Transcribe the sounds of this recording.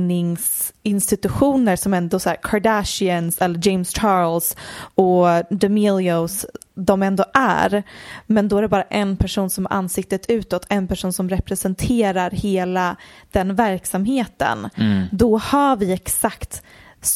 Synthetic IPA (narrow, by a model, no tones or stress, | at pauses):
nɪŋsɪnst̪ɪt̪ɵɧuːnəɾsɔmɛnd̪ɔsæːɾkʰaɖæʂɪənsɛlːəd͡ʒɛɪmst͡ʃʰɑːɾlsɔd̪ɛmɪljosd̪ɔmɛnd̪oɔːʔæ̰ɾmɛnd̪ɔæɖɛbɑːɾaʔɛnpʰæʂuːnsɔmæʔa̰nːsɪk̚t̪ət̪ʰʉ̟ːt̪ɔt̪ʰːɛnpæʂuːnsɔmɾɛpɾɛsɛnt̪ʰeːɾaɾheːlad̪̥ɛnvæɾksamheːt̪ə̰nd̪ɔhavɪɛksakt̪